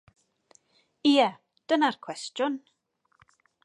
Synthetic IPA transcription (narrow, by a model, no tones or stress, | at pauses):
iə | d̥ənarkʰw̥ɛstjʊn